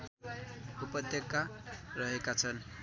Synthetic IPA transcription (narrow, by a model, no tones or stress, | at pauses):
upʌd̪ʱjʌkːarʌɦekat͡sʰʌn